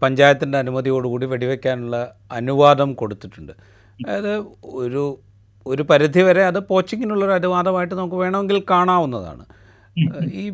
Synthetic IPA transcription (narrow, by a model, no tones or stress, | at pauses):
pɐɲd͡ʑaːjɐt̪ːindeɐnumɐðijo̞ːɽɨkuːɽiʋeɽiʋe̞kʲːaːnuɭːɐ | ɐnuʋaːd̪ɐmko̞ɽut̪ːiʈːuɳɖɨ | ðɨoɾu | oɾupɐɾid̪ʱiʋɐɾe̞ɐðɨpo̞ːt͡ɕːiŋːinuɭːo̞ɾɐnuʋaːd̪ɐmaːjiʈːɨnɐmukːɨʋe̞ːɳɐmeŋɡilkaːɳaːʋunːɐða̰ːɳɨ̰ | iː